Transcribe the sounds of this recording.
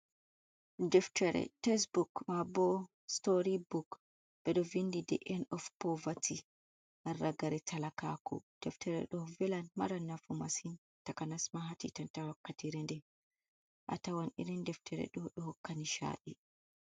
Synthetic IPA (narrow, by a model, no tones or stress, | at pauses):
dɛftɛɾɛ̰tɛs̬bukmabɔ | stoɾibuk | bɛɗɔvindidɛ̰ʔɛnɔfpɔvati | ʔarːaɡaɾɛtʰalakakʰṵd̥ɛftʰɛɾɛ̰ɗɔvɛlanmaɾanːafumasin | takanasmaɦatḭtantawakːatiɾɛndɛ | ʔa̰tawanḭɾindɛftʰɛɾɛ̰ɗɔɗɔhɔkːaniʃa̰ːɗi